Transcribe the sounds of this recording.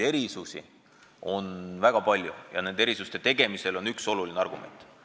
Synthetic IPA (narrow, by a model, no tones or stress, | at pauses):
eɾisusḭ | o̞nvæɡ̥ɑpɑlʲjujɑ̰ne̞nd̪ee̞ɾisust̪e̞t̪e̞ɡ̥e̞mise̞lo̞nykso̞lulineɑrɡ̥umʔḛnt̪